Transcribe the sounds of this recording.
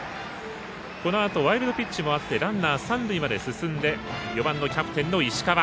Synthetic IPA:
ko̞no̞at̪o̞βaiɾɯd̪o̞pʲit͡ɕt͡ɕːimo̞at̪ːe̞ɾãnːaːsãnd̪ɯ̟imad̪e̞sɨsɨ̃nd̪e̞jo̞bãnːo̞kʲapɯ̟̥t̪ẽ̞nːo̞iɕi̥kaβa

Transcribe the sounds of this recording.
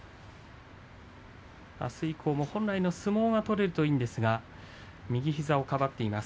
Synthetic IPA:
a̰sɨikʰo̞ːmo̞hõ̞nɾaino̞sɨmo̞ːɡat̪o̞ɾe̞ɾɯ̟t̪o̞iːnd̪e̞sɨɡa | mʲiɡʲiçizao̞kabat̪ːe̞imasɨ̥

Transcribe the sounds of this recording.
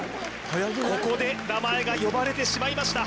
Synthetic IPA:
ko̞ko̞d̪e̞namae̞ɡajo̞baɾe̞t̪e̞ɕimaimaɕi̥t̪a

